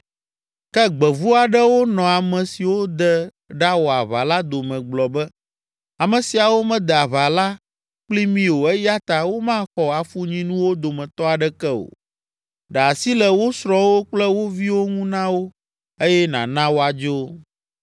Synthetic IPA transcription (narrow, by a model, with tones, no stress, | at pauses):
kɛ˦ɡ͡bɛ˨vu˦a˨ɖɛ˦wo˦nɔ̃˨a˨mɛ̃˨si˨wo˦d̪ɛ˦ | ɖa˦wo˨a˨βa̰˨la˦d̪o˨mɛ̃˨ɡ͡blɔ˨bɛ˦ | a˨mɛ̃˨si˨a˨wo˦mɛ̃˦d̪ɛ˨a˨βa˨la˦ | k͡pli˦mĩ˦o˨ɛ˦ja˦t̪a˨wo˦mã˦xɔ˨a˨fu˦ɲĩ˦nũ˦wo˦d̪o˨mɛ̃˨t̪ɔ˦a˨ɖɛ˦kɛ˦o̰˨ | ɖɛ˨a˨si˦lɛ˨wo˦sɾɔ̃˦wo˦k͡plɛ˦wo˦vi˦wo˦ŋũ˦nã˦wo˦ | e˦jɛ˦nã̰˨nã˦wo˦a˨d͡ʒo˦